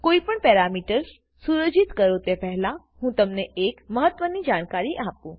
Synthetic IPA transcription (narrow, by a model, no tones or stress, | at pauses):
koːipəɳpɛɾamiːʈəɾs | suɾəd͡ʒit̪kəɾot̪epɛɦla | hũːt̪əmneekməɦət̪ːʋənid͡ʒaːɳ̃kaɾiʔapũː